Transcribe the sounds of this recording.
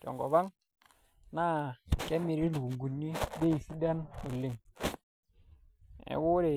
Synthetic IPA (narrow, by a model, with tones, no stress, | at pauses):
d͡ʒɔ̰˨ŋɡɔ˨βa˦ŋ | na˦ke˦mi˨ɾi˦lu˨ŋɡu˨nːi˦de˦i˨si˦da˦no˨lːi˦˨ŋ | ḛ˨˦wu˦ɾe˨